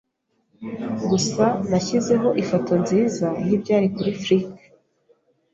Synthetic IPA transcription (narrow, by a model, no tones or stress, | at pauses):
ɡusanaçize̞ɦo̞ʔifo̞to̞nziːzajibɟaːɾikuɾifɾikḁ